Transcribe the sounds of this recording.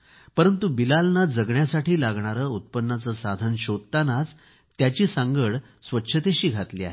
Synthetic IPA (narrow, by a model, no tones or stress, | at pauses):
pəɾənt̪ubilalnad͡zəɡɳjasaʈʰiːlaɡɳaɾəːut̪̚pənːat͡səːsad̪ʱənɕod̪̚t̪anat͡s | t̪jat͡ɕiːsaŋɡəɭ | sʋətːɕʰət̪eɕiːɡʱat̪liːa̰ɦe